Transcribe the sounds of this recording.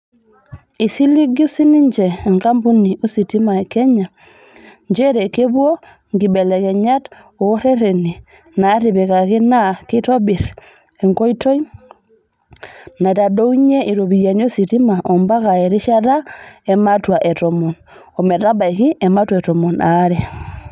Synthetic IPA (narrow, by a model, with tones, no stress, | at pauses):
i˨si˦li˦ɡi˦si˦ni˦ɲd͡ʒɛː˨ŋka˦mbu˦ni˨ʔo˦si˨ti˦ma˨e˨kɛ˦ɲa˨ | ɲd͡ʒe˦ɾe˨ke˦bwo˦ | ŋɡi˨bɛ˨lɛ˨kɛ˨ɲa˦t | o˨˦ɾe˦ɾe˨ni˨ | na˨˦ɾi˨be˨ka˨ki˦na˦ki˦tɔ˦bi˨ɾ | e˨ŋko˦i˦to˦j | na˨ta˨do˦wɲe˦ʔi˨ɾo˨bi˨ja˨n˦o˦si˨ti˦ma˨ʔo˨mba˦ka˨e˨ɾi˦ʃa˦ɾa˦e˨ma˦twa˨ʔe˨to˨mo˨n | o˨me˨ɾa˦ba˨i˨ki˦ɛ˨ma˦twa˨tɔ˨mu˨na˨˦ɾɛ˨